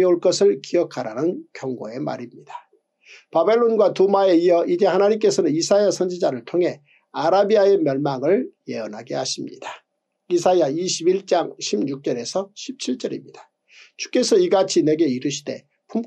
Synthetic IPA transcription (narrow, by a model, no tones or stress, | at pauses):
oɭk͈ʌsʰɯɭkiʌkʰaɾanɯnkjʌŋɡo̰e̞ma̰ɾimɲid̥ḁ | pabe̞ɭːonɡwatumae̞iʌid͡ʑe̞hanaɲimk͈e̞sʰʌnɯnisʰajasʰʌnd͡ʑid͡ʑaɾɯɭtʰoŋɦe̞ | aɾabiae̞mjʌɭmaŋɯɭje̞ʌnaɡehaɕʰimɲḭd̥a | isʰajaiɕʰibiɭt͡ɕ͈aŋɕʰimɲuk̚t͡ɕ͈ʌɾe̞sʰʌɕʰip̚t͡ɕʰiɭt͡ɕ͈ʌɾḭmɲid̥ḁ | t͡ɕu̥k͈e̞sʰʌiɡat͡ɕʰine̞ɡe̞iɾɯɕʰi̥d̥e̞̰ | pʰum